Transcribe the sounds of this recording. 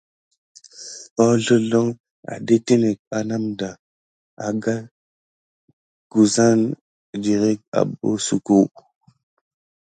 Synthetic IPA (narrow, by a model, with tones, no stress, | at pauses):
pa˦wɮə˦lo˦ŋ | a̰˨de˦te˦ne˨k̚a˨na˦mda˨ | a̰˨ɡa˦ | ɡ̥u˨za˦n | d͡ʒi˨ɾe˦k̚a̰˨bo̰˦su˨ku˦